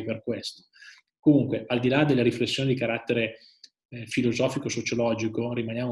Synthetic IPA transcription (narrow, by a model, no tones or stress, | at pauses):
perkwest̪o̥ | komuŋkweʔald̪ilad̪elːeɾiflesːjoːnid̪ikaɾat̪ːeɾe | filozɔːfikosot͡ʃolɔːd͡ʒikoɾimanjaːmo